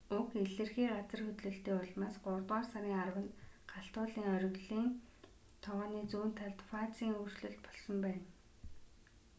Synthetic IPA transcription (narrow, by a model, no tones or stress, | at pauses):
ukeɮɘ̆rxiːɢat͡sə̆rxɵt̪ɮɵ̆ɬt̪eːɔɮmaːsɢʊrt̪ɔːrsaɾiːŋarwə̆nɢaɬt̪ʊːɮiːŋœɾɵ̆ɣɮiːn | t̪ʰɔʁɔːniːt͡suːnt̪ʰaɮt̪fat͡siːŋur̥t͡ɕɮɵ̆ɮt̪̚pɔ̥ɮsɞ̆mpæːn